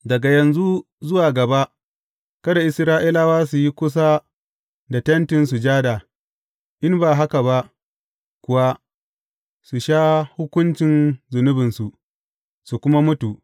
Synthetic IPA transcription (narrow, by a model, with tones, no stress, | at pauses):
dɐ˨ɡa˨jɐ˨nzu˦ | zʊ˦waː˨ɡɐ˨ba˦ʔ | kɐ˦da˨ʔɪ˨sɾaː˦ʔi˦la˦waː˦su˨ji˦kʷʊ˦s̬a˦ | da˨tɐ˦ntɪ˨nsu˨d͡ʒaː˦da˨ | ʔɪ˦mbaː˨ɦa˦ka˨ba˦ʔ | kʷʊ˨wa˦ | su˨ʃaː˦hʊ˦kʷʊ˦nt͡ʃɪ˨nzʊ˨nʊ˦bɪ˨nsu˨ | su˨kʷʊ˦ma˦mʊ˦tu˨ʔ